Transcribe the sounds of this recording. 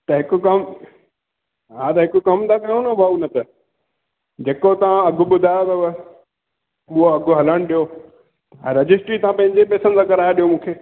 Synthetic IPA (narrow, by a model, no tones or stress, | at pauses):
t̪ɐɦɪkʊ̆kɐm | ɦat̪ɐɦɪkʊkɐmt̪ʰakãũnãbʱaunɐt̪ʰə | d͡ʑeːkot̪ɐʋãɐɡʱʊɓʊd̪ʱaːjot̪ɐb | ʊɦoɐɡʱʊɦɐləɽ̃ɗijo | ɛ̃ːɾɐd͡ʑɪsʈɾit̪ɐãpɐ̃ɦɪ̃ɲd͡ʑepɛːsənt̪ʰaːkɐɾaːjeɗijomũːkʰeː